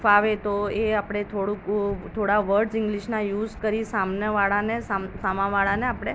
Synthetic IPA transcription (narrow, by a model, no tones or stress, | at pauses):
faʋet̪oeapɽ̃et̪ʰoɽũkt̪ʰoɽaʋəɾɖzɪŋɡliʃnajuːzkəɾisamnjəʋaɭanesasamãʋaɭaneapɽ̃e